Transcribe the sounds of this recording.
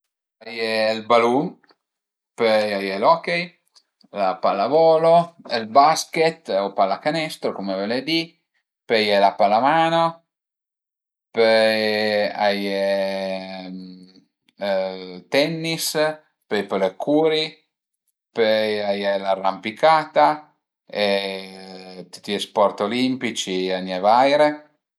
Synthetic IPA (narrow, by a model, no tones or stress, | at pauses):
ajelbalun | pøjajelɔkej | lapalavɔːloelbasket̪opalakanɛst̪ɾokomeveled̪i | pɛjelapalamaːno | pø | aje | t̪ɛnːis | pɛjpəlekʰuːɾi | pøjajelarːampikaːt̪a | e | t̪u̥t̪ːiespɔrt̪olimpit͡ʃianɛvajɾe